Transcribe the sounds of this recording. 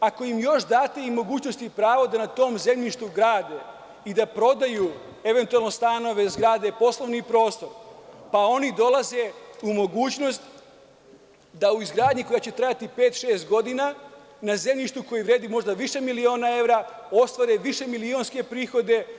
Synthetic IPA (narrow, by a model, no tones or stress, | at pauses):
ako̞jimjo̞ʃd̪aːt̪e̞imo̞ɡuːt͡ɕno̞st̪ipɾaːʋo̞d̪anat̪o̞ːmze̞mʎiʃt̪uɡɾaːd̪e̞ | id̪apɾo̞d̪aju | e̞ʋent̪ualˠno̞st̪ano̞ʋe̞zɡɾaːd̪e̞po̞slˠo̞ʋnipɾo̞ːst̪o̞ɾpao̞nid̪o̞lˠaze̞umo̞ɡuːt͡ɕno̞st̪ | d̪auizɡɾaːd̪ɲiko̞jat͡ɕe̞t̪ɾajat̪ipe̞ːt̪ʃeːst̪ɡo̞d̪ina | naze̞mʎiʃt̪uko̞jeʋɾe̞ːd̪imo̞ʒd̪aʋiʃe̞milio̞ːnae̞ʋɾao̞st̪ʋaɾeʋiʃe̞milio̞nske̞pɾiːxo̞d̪e̞